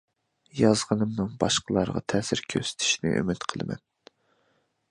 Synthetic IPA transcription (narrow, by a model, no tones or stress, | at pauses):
jɑzʁɑnɨmnɨŋbɑʃqəlˠɑɾʁɑ̰t̪ʰɛsɪɾkʲʰø̰sɪ̥t̪ʰɪ̥ʃinɪ̰ʔy̰myt̪qʰəlˠɨmɛ̰n